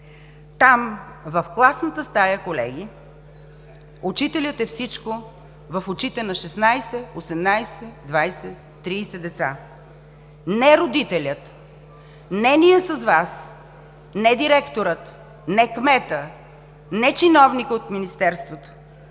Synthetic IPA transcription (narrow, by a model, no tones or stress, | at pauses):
t̪amvəfklˠasnət̪əst̪ajəkolɛ̰ɡi | ʊt͡ʃit̪ɛlʲət̪ɛfsit͡ʃko | vəfʊt͡ʃit̪ɛnɐʃɛsnajsɛosɛmnajsɛd̪vajsɛ | t̪ːɾiːsɛd̪ɛt̪sa | nɛɾod̪it̪ɛlʲət̪ | nɛnijəsəzvas | nɛd̪iɾɛkt̪oɾət̪ | nɛkmɛt̪ə | nɛt͡ʃinɔvnikəot̪minist̪ɛɾst̪vot̪o̥